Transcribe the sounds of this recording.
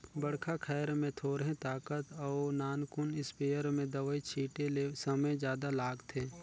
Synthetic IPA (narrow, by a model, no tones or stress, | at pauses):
bɐɽkʰakʰɛːɾmẽt̪ʰoːɾɦẽt̪aːkət̪ɔːnaːnkʊnɪspeːjəɾmẽd̪əʋəit͡ʃʰiːʈelesəməjd͡ʒjaːd̪alaːɡt̪ʰeː